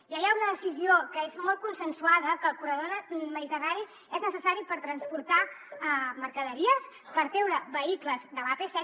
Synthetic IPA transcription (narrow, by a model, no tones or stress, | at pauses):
ʒajaunəðəsiziokəezmɔlˠt̪kunsənsuaðəkəlˠpuɾəðonməðit̪əraɾi | ɛznəsəsaɾipəɾt̪ɾənspuɾt̪a | məɾkəðəɾiəspəɾt̪ewɾəβəikləzd̪əβapesɛ